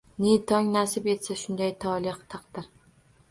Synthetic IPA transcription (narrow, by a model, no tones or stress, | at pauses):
net̪ʰɒŋnasɪpe̞t̪saʃʊnd̪ajt̪ʰɒlˠɪχt̪ʰɑqd̪ɪɾ